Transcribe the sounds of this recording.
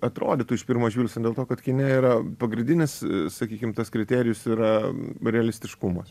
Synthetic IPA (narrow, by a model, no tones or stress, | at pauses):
ɐt̪ɾo̰ːd̪ʲet̪uːɪʃpʲɪɾmoːʒʲʋʲiːlʲsʲod̪ʲeːlˠtoːkɐt̪kʲɪnʲɛiːɾɐpɐɡɾʲɪnʲd̪ʲɪnʲɪssɐkʲiːkʲɪmt̪ɐskɾʲɪt̪ʲæːɾʲɪjʊsiːɾɐɾʲɛɐlʲɪsʲt̪ʲɪʃkumɐs